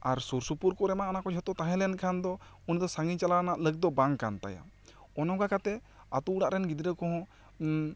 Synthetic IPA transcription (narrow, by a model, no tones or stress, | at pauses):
aɾsuɾsupuɾkɔɾɛmaʔɔnakɔd͡ʒʱɔt̪ɔt̪aɦɛ̃lɛnkʰand̪ɔ | unid̪ɔsaŋɡit͡ʃalanaʔləɡ̚d̪ɔbaŋkant̪a̰ja̰ | ɔnɔ̃ɡakat̪ɛ | at̪uuɽaʔɾɛnɡid̪ɾəkɔɦɔ̃